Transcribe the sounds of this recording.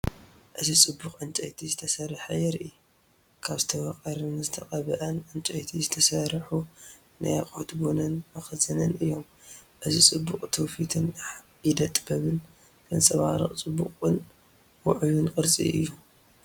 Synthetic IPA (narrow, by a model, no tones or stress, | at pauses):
ʔɨzit͡sʼɨbːukʼʕɨnt͡ʃʼɐjt̪ʰizɨt̪ʰɐsɐɾħɐjɛɾʔi | kʰaβzɨt̪ʰɐwɐqʼɐɾɨnɨzɨt̪ʰɐqʼɐβɐʔɐnʔɨnt͡ʃʼɐjt̪ʰizɨt̪ʰɐsɐɾħu | na̰jaχʼot̪bonɐnmɐxɨzɐnɐnɨjːo̞m | ʔɨzit͡sʼɨbːukʼt̪ʰowfit̪ʰɨn | jɪd̪ɐt̪ʼbɐβɨn | kʰɨnsʼɐβaɾɐχʼt͡sʼɨbːukʼɨn | wʊʕulunkʼɨɾt͡sʼḭʔɨjːu